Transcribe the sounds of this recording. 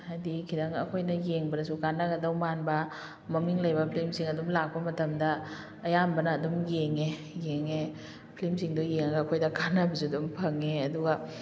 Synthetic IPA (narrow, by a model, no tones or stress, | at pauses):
adikʰidɐŋɐkʰojnɐjeŋbɐɾɐsukanːɐɡɐdɐwmanbɐ | mɐmiŋlɐjbɐpʰlimsiŋɐdumlak̚pɐmɐtɐmdɐː | jambɐnɐːdumjeŋe | jeŋe | pʰlimsiŋdojeŋɐɡɐːkʰojdɐkʰanɐbɐs̬udumpʰɐŋeɐduɡɐ